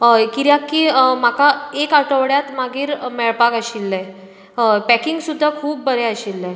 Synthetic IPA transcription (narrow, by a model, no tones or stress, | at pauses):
kiɾjakːiːmakaekaʈəʋɽjat̪maɡiːɾmɛɭpakəɕilːaj | pækiŋɡsud̪ʱːakʰuːp̚ːəɾeəɕilːa